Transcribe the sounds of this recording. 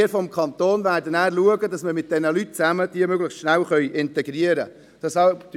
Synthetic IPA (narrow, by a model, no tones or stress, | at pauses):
əɾfɔmkʰɑnt̪oːnvæːɾdənæːɾluəɡədɑsməmɪt̚d̥ɛnəlyt̚t͡sæməd̥iəmøɡləχstʃnælχœʏʔɪntɛɡɾiəɾə | d̥ɑsɑd